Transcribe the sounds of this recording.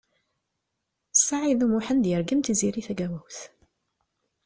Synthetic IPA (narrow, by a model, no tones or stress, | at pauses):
sːaʕiðumuħənd̪jəɾɡəmt̪iziɾiθæɡæwæwθ